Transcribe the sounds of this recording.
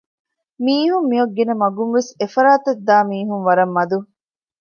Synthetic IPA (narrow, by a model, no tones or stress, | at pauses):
miːɦumːiɐɡːenɐmɐɡunʋesefɐɾaːt̪ɐd̪ːaːmiːɦunʋɐɾɐmːɐd̪u